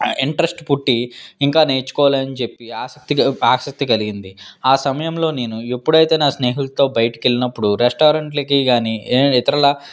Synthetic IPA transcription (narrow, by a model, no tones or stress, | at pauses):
iɳʈɾesʈpuʈːiiŋkaːne̞ːɾt͡ʃu̥kɔːʋleːɐnit͡ʃe̞pːiaːsɐk̚t̪iaːsɐk̚t̪iɡɐliɡind̪iaːsɐmɐjɐmlo̞ːne̞ːnuepːuɽɐjt̪e̞ːnaːsneːɦult̪o̞ːbɐjɐʈɐkelinɐpːuɽuɾesʈaːɾɐɳʈlɐkiɡaːnieːit̪ɐɾɐlɐ